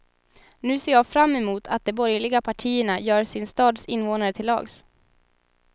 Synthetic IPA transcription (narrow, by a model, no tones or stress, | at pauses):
nʉ̟ːseːɾjɑːɡfɾamːɛmuːt̪ʰat̪̚d̪ɛbɔɾjlɪɡapʰaʈʰiːəɳajœːɾsɪnst̪ɑːd̪sɪnvoːnaɾət̪ʰɪlːɑ̰ːɡs